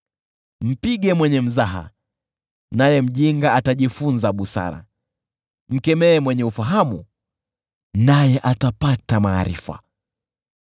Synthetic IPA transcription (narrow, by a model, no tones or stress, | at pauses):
m̩piɠɛmwɛɲɛm̩zaɦa̰ | najɛm̩ʄiŋɡaataʄifunzaɓusa̰ɾa̰ | m̩kɛmɛːmwɛɲɛufaɦamu | najɛʔatapatamaːɾḭfa̰